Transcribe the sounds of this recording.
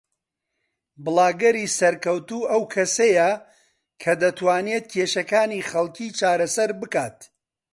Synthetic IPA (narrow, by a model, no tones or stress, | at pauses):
bɨlˠaːɡɐɾiːsɐɾkɐwt̪uːʔɐwkʰɐsɐjɐ | kʰɐd̪ɐt̪ʰwaːnet̪̚cʰeʃɐkaːniχɐlˠkʰiːt͡ʃaːɾɐsɐɾbɨkaːt̪̚